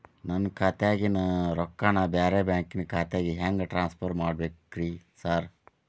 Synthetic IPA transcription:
nɐnːkʰaːt̪jaːɡinɐɾɔkːaːnabaːɾebjaːŋkinkʰaːt̪ejaːɡiɦaːŋɡɐʈɾaːnspʰoɾmaːɖbekkːɾisaːɾ

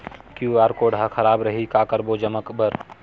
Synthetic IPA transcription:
kjuaːɾkoɖʱakʰəɾaːbɾəɦikakəɾbod͡ʒəməkbəɾ

